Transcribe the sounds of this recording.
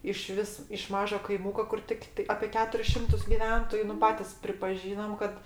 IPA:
ɪˈʃʲʋʲɪs ɪʃ ˈmɑːʒoː kɐɪˈmʊkoː kʊr ˈtʲɪktɐɪ ɐpʲeː ˈkʲæːtʊrʲɪs ˈʃʲɪmtʊs ɡʲɪˈʋʲɛntoːjʊ nʊ ˈpɑːtʲɪs pʲrʲɪpɐˈʒʲiːnɐm kɐt

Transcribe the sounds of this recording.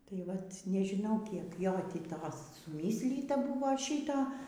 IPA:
tɐɪ ˈʋɐt nʲɛʒʲɪˈnɐʊ kʲiɛk ˈjoː tʲiː ˈtoːs sʊˈmʲiːsʲlʲiːtɐ ˈbʊʋoː ˈʃʲiːtoː

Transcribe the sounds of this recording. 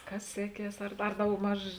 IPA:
ˈkɐs ˈsʲæːˌkʲiɛs ɐr ɐr dɐʊɡˈmɐʃ

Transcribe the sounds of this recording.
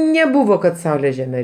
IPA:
nʲɛˈbʊʋoː kɐt ˈsɐʊlʲeː ʒʲɛˈmʲɛ

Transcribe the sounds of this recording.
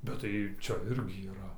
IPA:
bʲɛt tɐɪ ˈt͡ʃʲɛ ˈɪrʲɡʲɪ iːˈrɐ

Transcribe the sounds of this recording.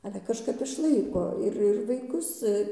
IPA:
ˈɑːlʲɛ kɐʃˈkɐp ɪʃˈlˠɐɪkoː ˈɪr ɪr ʋɐɪˈkʊs

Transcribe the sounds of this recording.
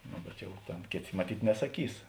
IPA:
ˈnoː bʲɛt ˈjɛʊ ˈtʲeːn ˈkʲeːˌtʲeː mɐˈtʲiːtʲ nʲɛsɐˈkʲiːs

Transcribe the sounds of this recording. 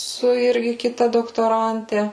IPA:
sʊ ˈɪrʲɡʲɪ kʲɪˈtɐ doːktoːˈrɐnʲtʲɛ

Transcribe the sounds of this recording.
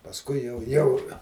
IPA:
pɐsˈkʊɪ jɛʊ ˈjɛʊ

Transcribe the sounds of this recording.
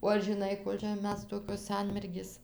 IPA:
oː ɐr ʒʲɪˈnɐɪ ˈkoːlʲ t͡ʃʲɛ ˈmʲɛs ˈtoːkʲoːs ˈsɐnʲmʲɛrʲɡʲeːs

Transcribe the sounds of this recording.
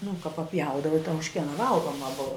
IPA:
nʊ kɐ pɐˈpʲjɛʊdɐʋɐ ɪ tɐ ʊʃʲˈkʲiɛnɐ ˈʋɐlˠɡoːmɐ ˈbʊʋɐ

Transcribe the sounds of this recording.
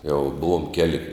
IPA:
jɛʊ ˈbʊʋoːm ˈkʲæːlʲɪ

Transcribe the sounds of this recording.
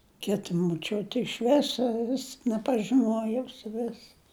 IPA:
ˈkʲɪtɐ moːˈt͡ʃʲʊtʲɪ ɪʃ ˈʋʲɪsoː ʋʲɪs nʲɛpɐʒʲɪˈnuɔjɛʊ sʊˈʋʲɪs

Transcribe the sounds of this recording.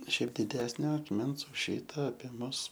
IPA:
ˈʃʲɛɪp dʲɪˈdʲæːsʲnʲoː ɐkˈmʲɛns ʊʃ ˈʃʲiːtɐ ɐpʲiɛ ˈmʊs

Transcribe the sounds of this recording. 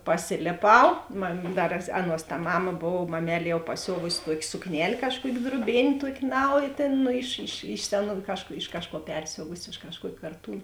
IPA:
pɐˈsʲɪlʲeːˌpɐʊ mɐm ˈdɐr ˈɑːˌnuɔs tɐ ˈmɑːmɐ ˈboːw mɐˌmʲɛlʲ jɛʊ pɐˈsʲoːʋʊsʲɪ ˈtuɔkʲeː sʊkˈnʲɛlʲ ˈkɑːʃˌkuɔkʲ druɔˈbʲeːnʲ ˈtuɔkʲ ˈnɐʊjeː ˈtʲeːn ɪʃ ɪʃ ɪʃ ˈsʲæːˌnuː ˈkɑːʃˌkuː ɪʃ ˈkɑːʃˌkuɔ ˈpʲɛrʲsʲoːʋʊsʲɪ ɪʃ kɐʃˈkuɔkʲeː kɐrˈtuːn

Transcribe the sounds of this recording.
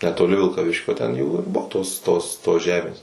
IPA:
nʲɛtoːˈlʲɪ ʋʲɪlˠkɐˈʋʲɪʃʲkʲoː tʲɛn ˈjuː ɪr ˈbʊʋoː ˈtoːs ˈtoːs toːs ˈʒʲæːmʲeːs

